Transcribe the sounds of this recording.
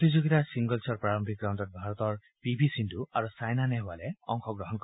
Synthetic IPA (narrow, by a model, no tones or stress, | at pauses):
t̪izoɡit̪asiŋɡɔlt͡ʃɔɹpɹaɹɔmbʱik̚ɡɾawntɔt̪̚bʱaɾɔt̪ɔɹ | pibʱisinduaɾusajnanɛɦalɛɔ̰ŋkʰɔɡɾɔɦɔnkɔ